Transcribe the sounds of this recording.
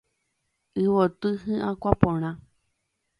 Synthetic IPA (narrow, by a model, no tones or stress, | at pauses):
ɨβot̪ɨɦɨ̃ʔãkʷapõɽ̃ã